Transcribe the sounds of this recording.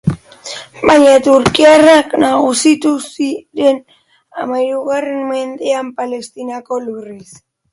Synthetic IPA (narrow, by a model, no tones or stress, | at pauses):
bajɲat̪uɾkiaraknaɣusit̪usiɾe̞n | amajɾuɣarenme̞nd̪e̞ampale̞st̪inako̞luris